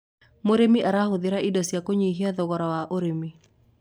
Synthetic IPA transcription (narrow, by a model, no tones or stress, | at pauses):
moɾemiʔaɾahoðɪɾaidɔsjakoɲeɦiaðɔɣɔɾɔwaʔoɾemi